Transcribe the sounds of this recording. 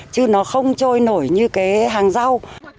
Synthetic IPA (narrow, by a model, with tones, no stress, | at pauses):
t͡ɕɨ˧˦nɔ˨˦xə˧wŋ͡mt͡ɕɔ˧jno˧˩jɲɨ˧ka˨˦ɦaː˨˩ŋza˧w